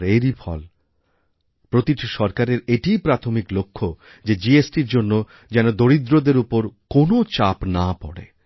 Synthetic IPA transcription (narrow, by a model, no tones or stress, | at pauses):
ɾeɾifʰɔ̰l | pɾot̪iʈʃɔɾkaɾeɾeʈijpɾat̪ʰomiklokʰːo | d͡ʑed͡ʑiesʈiɾd͡ʑonːo | d͡ʑɛnod̪oɾid̪ɾod̪eɾupoɾkonot͡ɕapnapɔ̰ɽḛ